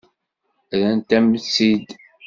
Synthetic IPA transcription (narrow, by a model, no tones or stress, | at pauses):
ðænt̪æmət͡sːid̪